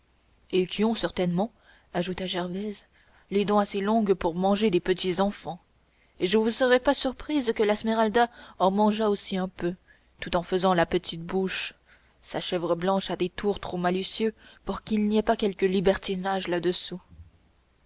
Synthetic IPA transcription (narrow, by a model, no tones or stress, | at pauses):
ekʲiɔ̃sɛʁt̪ɛnmɑ̃ | aʒut̪aʒɛʁvɛz | led̪ɔ̃aselɔ̃ɡpuʁmɑ̃ʒed̪epət̪izɑ̃fɑ̃ | eʒəvusəʁɛpasyʁpχizkəlasmeʁald̪aɑ̃mɑ̃ʒaosiɛ̃pø | t̪ut̪ɑ̃fəzɑ̃lapət̪ʰit̪̚buʃ | saʃɛvʁəblɑ̃ʃad̪et̪uʁt̪χomalysjøpuʁkʲilniɛpakʲɛlkəlibɛʁt̪inaʒlad̪əsu